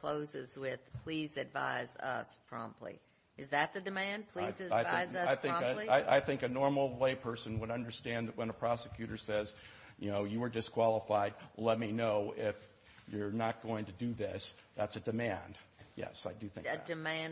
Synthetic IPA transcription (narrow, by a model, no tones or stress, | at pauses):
kʰl̥oʊzɪzwɪð̥pʰl̥izɨdva̰ɪzʌ̰spʰɹ̥ɑ̰̃mpʰˡlḭ | ɨzðɨt̪̚ðɨdɨmæ̃n̚pʰl̥izɨaɪaɪzʌaɪθɪ̃iaɪʔa̰ɪθɪ̃ŋkɨnɔɹml̩ˠleɪpʰɜ˞sɨ̃nwəɾʌ̃ndə˞stæ̃nðɨʔ̚wə̃nəpʰɹ̥ɑsɨkʰj̥ʉɾə˞sɛz | jɨnoʊjɨə˞dɨskʰw̥ɑlˠəfaɪd̚lɛt̚minoʊɪf | jə˞nət̚ɡ̥oʊɪ̃ŋtʰɨdɨðɪsðætsɨdɨmæ̃nd̥jɛ̰saɪdɨθɪ̃ŋɨdɨmæ̃n